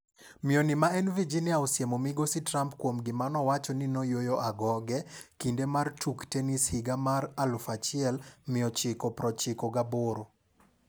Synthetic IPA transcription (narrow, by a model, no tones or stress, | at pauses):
mɪonimaɛnvid͡ʒinjaosjemomɪɡositɾampkwomɡɪmanɔwat͡ʃɔnɪnojojoʔaɡɔɡɛkindemartʰuktenishɪɡamaɾalfat͡ʃɪɛlmɪɔt͡ʃɪkɔpɾɔt͡ʃɪkɔɡaboɾo